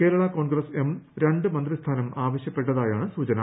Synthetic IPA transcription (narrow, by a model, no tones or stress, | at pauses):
ke̞ːɾɐɭɐko̞ːɳɡrɐse̞mɾe̞ɳɖɨmɐnd̪rist̪ʰaːnɐmaːʋɐɕjɐpːe̞ʈːɐðaːjaːɳɨsuːt͡ɕɐnɐ